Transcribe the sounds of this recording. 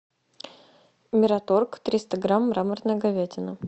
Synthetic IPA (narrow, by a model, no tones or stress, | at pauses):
mʲɪɾɐt̪orkt̪ɾʲist̪əɡɾamɾamərnəjəɡɐvʲetʲɪnə